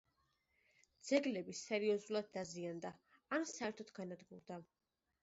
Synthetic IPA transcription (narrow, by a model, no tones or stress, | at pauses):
d̪z̥ɛɡlɛbisɛɾiɔzulˠad̪̚ːaziand̪a | ansaɛɾt̪ʰɔt̪ɡanad̪ɡuɾd̪a